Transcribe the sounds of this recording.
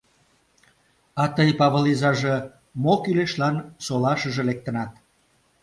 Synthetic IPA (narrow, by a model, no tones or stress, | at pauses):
ɑt̪əjpɑβəlizɑʒɤ | mokyleʃlɑnsolɑʃə̆ʒĕlek̚t̪ə̆nɑt̪̚